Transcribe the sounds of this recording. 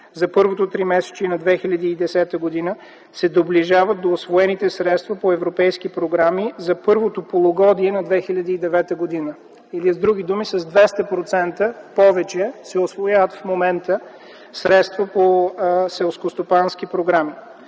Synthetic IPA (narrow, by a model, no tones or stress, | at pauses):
zɐpɤɾvot̪ot̪ɾimɛsɛ̥t͡ʃinɐd̪vɛxilʲɐd̪iːd̪ɛsɛt̪əɡod̪inə | sɛd̪obliʒavət̪̚d̪oːsvoɛnit̪ɛsɾɛt̪st̪vɐpoɛvɾopɛjskipɾoɡɾamizɐpɤɾvot̪opolˠoɡɔd̪iɛnɐd̪vɛxilʲɐd̪iːd̪ɛvɛt̪əɡod̪inə | ilizd̪ɾuɡ̟id̪umisɐzd̪vɛst̪əpɾot̪sɛnt̪əpɔvɛt͡ʃɛsɛosvojavət̪fmomɛnt̪ə | sɾɛt̪st̪vɐposɛlˠskost̪opanskipɾoɡɾami